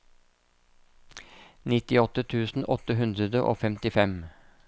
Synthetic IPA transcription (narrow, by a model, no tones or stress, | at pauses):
nɪt̪ɪɔt̪ət̪ʰʉːsn̩ʔɔt̪əɦʉnd̪ɾəd̪əʔo̰ːfɛmt̪ɪfɛm